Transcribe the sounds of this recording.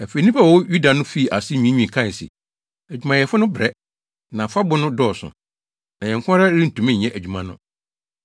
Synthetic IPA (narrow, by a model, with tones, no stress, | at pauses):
æ˨fe˨˦nĩ˦pʰa˦wɔ˨wɔ˦ju˦da˨nʊ̃˦fi˦˨ʔa˨sɪ˦˨ɲĩ˨˦ɲĩ˨kʰã˦˨sɪ̰˨ | æ˨d͡ʑᶣu˨mã˨jɛ˨fʊ˦nʊ̃˦bɾɛ˦ | nã˨fa˦bʊ˦nʊ̃˦dɔː˦˨sʊ̰˨ | nã˨ɲɛ̃˨ŋkʰʷʊ̃˦ɾa˦ɾĩ˦n̩˨tʰũ˨mɛ̃˦ɲ̩˨ɲɛ̃˦ʔæ˨d͡ʑᶣu˨mã˨nʊ̰̃˦